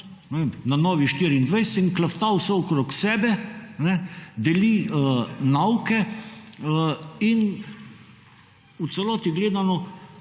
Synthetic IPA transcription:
nɛʋemnanɔːʋiʃt̪iɾiind̪ʋɛjsɛ̥t̪inklaft̪awsɛɔkɾoksɛːbɛnɛd̪ɛliənawkɛ | əin | ut̪sɛlɔːt̪iɡleːd̪anɔ

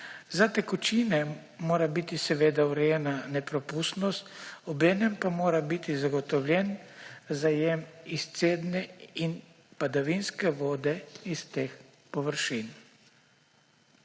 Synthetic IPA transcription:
zat̪ɛkut͡ʃinɛ | moːɾabit̪isɛʋeːd̪awɾɛjɛːnanɛpɾɔpust̪nɔst̪ɔbɛːnɛmpamoːɾabit̪izaɡɔt̪ɔwlʲjɛnzajemist̪seːd̪nɛin | pad̪aʋinskɛʋoːd̪ɛist̪eːx | pɔʋəɾʃin

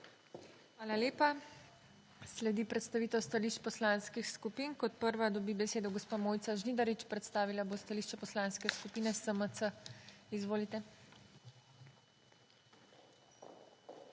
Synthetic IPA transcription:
xʋaːlaleːpa | slɛd̪ipɾɛt̪st̪aʋiːt̪ɛwst̪aliːʃt͡ʃpɔslanskixskupiːnkɔt̪̚pəɾʋad̪ɔbiːbɛseːd̪ɔɡɔspaːmoːjt̪saʒniːd̪aɾit͡ʃpɾɛt̪st̪aːʋilabost̪aliːʃt͡ʃɛpɔslanskɛskupiːnɛsəmət̪səizʋoːlit̪ɛ

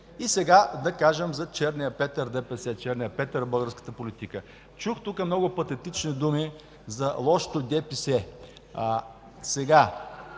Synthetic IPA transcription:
isɛɡad̪ɐkaʒəmzɐt͡ʃɛɾnijəpɛt̪əɾd̪ɛpɛsɛt͡ʃɛɾnijɐpɛt̪əɾbɤlˠɡəɾskə̥t̪əpolit̪ikə | t͡ʃuxt̪ukəmnɔɡʊpɐt̪ɛt̪it͡ʃnid̪umi | zɐlˠɔʃo̥t̪od̪ɛpisɛ | sɛɡa

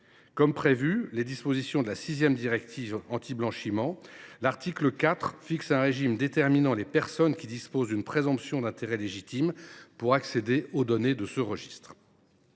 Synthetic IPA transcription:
kɔmpχevyled̪ispozisjɔ̃d̪əlasizjɛmd̪iʁɛkt̪ʰivɑ̃t̪iblɑ̃ʃimɑ̃laʁt̪ikləkʲat̪χfiksɛ̃ʁeʒimd̪et̪ɛʁminɑ̃lepɛʁsɔnkʲid̪ispozd̪ynpχezɔ̃psjɔ̃d̪ɛ̃t̪eʁɛleʒit̪impuʁaksed̪eʔod̪ɔned̪əsəʁəʒist̪χ

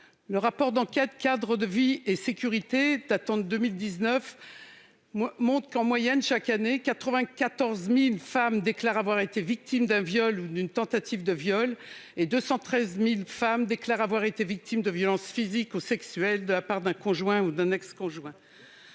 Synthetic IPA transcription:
ləʁapɔʁd̪ɑ̃kʲɛt̪kʲad̪ʁəd̪əviesekʲyʁit̪ed̪at̪ɑ̃d̪ømild̪iznœf | mɔ̃t̪χəkɑ̃mwajɛnʃakanekat̪χəvɛ̃kat̪ɔʁzmilfamd̪eklaʁavwaʁet̪evik̚t̪imd̪ɛ̃vjɔlud̪ynt̪ɑ̃t̪at̪ivd̪əvjɔled̪øsɑ̃t̪χɛzmilfamd̪eklaʁavwaʁet̪evik̚t̪ʰimd̪əvjɔlɑ̃sfizikusɛksyɛld̪əlapaʁd̪ɛ̃kɔ̃ʒwɛ̃ud̪ɛ̃nɛkskɔ̃ʒwɛ̃

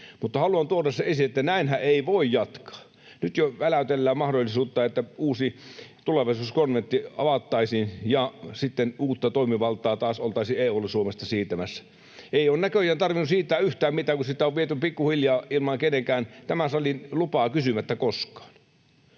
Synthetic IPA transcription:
mut̪ːɑhɑluɑnt̪uorɑsːɑesiet̪ːænæinhæʔeˑiʋoijjɑt̪kɑ̥ː | nyt̪joʋælæt̪elːæːmmɑhdolʲːˑisuːt̪ːɑːet̪ːæuːsit̪uleʋɑisuːskonʋent̪ːiɑ̰ʋɑt̪ːɑˑisinjɑsit̪ːenuːt̪ːɑt̪oˑimiʋɑlt̪ˑɑːt̪ɑːsolt̪ɑˑisieːolːɑsuomest̪ɑsiːt̪æmæsːæ̥ | eˑioːnækøjˑæːnt̪ɑrʋinussiːt̪ːˑæːyht̪æːmmit̪æːkusit̪ːˑæoʋʋiet̪ypikːuhiljɑːilmɑŋkeneŋkæːnt̪æmæsɑlinlupɑːkysymæt̪ːækoskɑ̥ːn

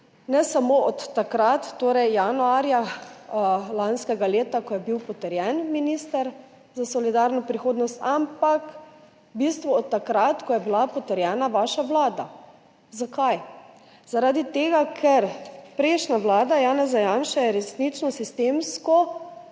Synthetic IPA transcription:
nɛsamoɔt̪ːakɾat̪ːoːɾɛjjanuaɾja | lanskɛɡaleːt̪akɔjɛbiwpɔt̪ɛɾjɛnminist̪ɛɾ | zasɔlid̪aɾnɔpɾixoːd̪nɔst̪ampak | bist̪ʋuɔt̪ːakɾat̪kɔjɛbilapɔt̪ɛɾjɛːnaʋaːʃaʋlaːd̪a | zakaj | zaɾad̪it̪eːɡakʰɛɾpɾeɪʃnaʋlaːd̪ajaːnɛzajanʃajɛɾɛsnit͡ʃnɔsist̪emskɔ

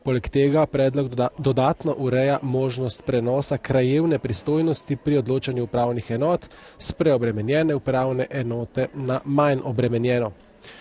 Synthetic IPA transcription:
poːlɛkt̪eːɡapɾɛːd̪lɔɡd̪ɔd̪aːt̪nɔʔuɾɛjamoːʒnɔst̪pɾɛnɔːsakɾajeːwnɛpɾist̪oːjnɔst̪ipɾiɔd̪loːt͡ʃanjuupɾaːwnixɛnɔːt̪ | spɾɛɔbɾɛmɛnjɛːnɛupɾaːwnɛʔɛnɔːt̪ɛnamajnʔɔbɾɛmɛnjɛːnɔ

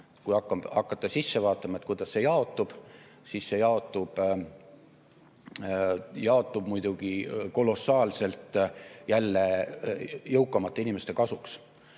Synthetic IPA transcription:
kujɑkːˑɑɑ̰kːˑɑt̪ːˑɑsisːevɑːt̪ːˑɑmɑet̪̚kujd̪̥ɑsːe̞jɑo̞t̪ːˑub̥ | sisse̞jɑo̞t̪ːˑub̥ | jɑo̞t̪ːˑub̥mujd̪̥uɡ̥iko̞lo̞sːɑːlse̞lt̪ˑjælːe | jɤwkːˑɑmɑt̪ːˑeinʲimest̪e̞kɑsuks

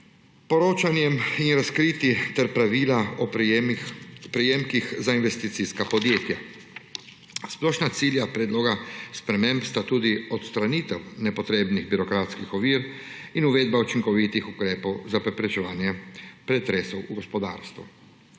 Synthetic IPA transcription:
pɔɾoːt͡ʃanjɛminɾaskɾiːt̪it̪ɛɾpɾaʋiːlaɔ | pɾɛjemkixzainʋɛst̪it̪siskapɔd̪jeːt̪ja | splɔːʃnat̪siːljapɾɛd̪loːɡaspɾɛmẽmpst̪at̪uːd̪iɔt̪st̪ɾaniːt̪ɛwnɛpɔt̪ɾeːbniɣbiɾɔkɾaːt̪skixɔʋiːɾ | inuʋeːd̪baut͡ʃiŋkɔʋit̪ixukɾeːpɔwzapɾɛpɾɛt͡ʃɛʋaːnjɛpɾɛt̪ɾeːsɔwuɡɔspɔd̪a̰ːɾst̪ʋṵ

